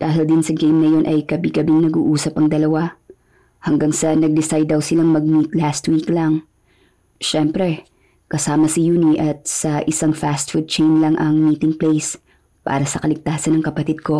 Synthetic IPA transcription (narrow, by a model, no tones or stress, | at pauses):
d̪̥aːɦɪld̪ɪnsɐɡejmnɐjo̞nʔɐjkɐbiɡɐbɪŋnɐɡṵːʔuːsɐpɐŋd̪ɐlɐwa | hɐŋɡaŋsɐnɐɡ̚d̪ɪsajd̪ːɐwsɪlaŋmɐɡ̚mit̪̚last̪wiklɐŋ | ʃɛmpɾɛ | kɐsaːmɐsɪjuːniʔɐt̪̚sɐʔɪsaŋfast̪fud̪̚t͡ʃejnlɐŋʔɐŋmiːt̪ɪŋplejs | pa̰ːɾɐsɐkɐlɪɡ̚t̪aːsɐnɐŋkɐpɐt̪ɪd̪̚ko̞